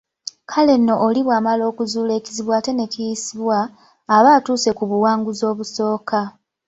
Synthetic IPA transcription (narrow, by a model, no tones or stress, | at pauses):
kʰale̞nːo̞ʔːliβwaːmalo̞ːkuzuːle̞ːciziβwaːte̞ne̞cijisiβwaː | βaːtuːse̞kuβuwaːŋɡuzo̞ːβuso̞ːka